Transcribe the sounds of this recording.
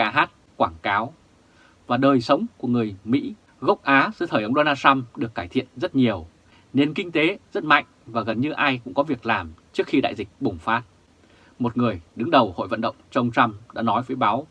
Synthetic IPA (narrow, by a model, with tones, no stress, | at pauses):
aː˨˦ɦaː˦˥t̚ | kwaː˧˩ŋkaː˨˦w | vaː˨˩ɗəː˨˩jsə˨˦wŋ͡mku˧˩əŋɨ˨˩əjmḭ˧˥ | ɣə˦˥k͡p̚ʔaː˨˦zɨ̰˧˥t̪ʰəː˧˩jə˨˧wŋ͡mɗo˧naː˧t͡ɕa˧mɗɨ˨˩əkːaː˧˩jt̪ʰḭ˧˨ənzə˦˥t̚ɲi˨˩əw | ne˧nkï˧ŋ̟t̪e˨˦zə˦˥t̚ma̰˧˨jŋ̟vaː˨˩ɣə˨˩nɲɨ˧ʔaː˧jkʊ̰˧˥ŋ͡mkɔ˨˦vi˨˩ək̚laː˨˩mt͡ɕɨ˦˥ək̚xi˧ɗa̰ː˧˨jzï˨˩k̟̚ɓʊ˨˩ŋ͡mfaː˦˥t̚ | mo˨˩t̚ŋɨ˨˩əjɗɨ˨˦ŋɗə˨˩who̰˧˨jvə̰˧˨nɗə̰˧˨wŋ͡mt͡ɕwŋ͡mt͡ɕa˧mɗa̰ː˧˥nɔ˨˦jvəː˨˦jɓaː˨˦w